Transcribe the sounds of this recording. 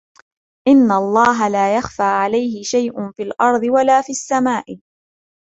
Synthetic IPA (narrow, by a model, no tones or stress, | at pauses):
ʔɪnːaɑlˤːɑːɦalaːjaxfaːʕalajɦɪʃajʔʊnfiːlʔɑɾˤd̪ˤɨwalaːfiːasːamaːʔɪ